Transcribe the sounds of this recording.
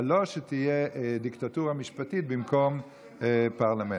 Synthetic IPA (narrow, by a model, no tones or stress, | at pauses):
lo̞ʃet̪ijeʔd̪ikt̪at̪uʁamiʃpat̪it̪̚bimko̞m | paʁlame